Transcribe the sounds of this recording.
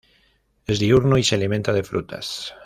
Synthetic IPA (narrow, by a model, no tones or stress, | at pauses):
ezðiuɾnoisealimẽnt̪að̞efɾut̪ʰa̰s